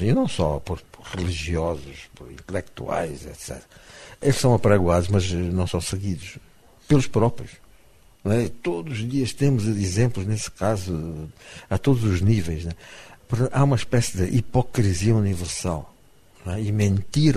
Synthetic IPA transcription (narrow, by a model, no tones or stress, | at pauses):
inɐ̃w̃sɔ̰poɾpɾʁɨlˠiʒiɔzuʃpɔɾḭ̃nt̪lˠɛk̚t̪ṵa̰jzɛ̰t̪sɛ̰t̪ɾɐelˠʃsɐ̃w̃ɐpɐɾɐɣwaðuʒmɐzɛnɐ̃w̃sɐ̃w̃sɨɣiðuʃ | pelˠuʃpɾɔpɾijuʃ | ñɛt̪oðzuʒðiɐʃt̪emuzizẽmplˠuʒnesɨ̥kazu | at̪od̪uzuʒnivejʃnɛpɔɾt̪ɐ̃t̪aumɐiʃpɛsiðɨʔipɔkɾiziɐunivɨɾsa̰lˠ | nɛimẽnt̪iɾ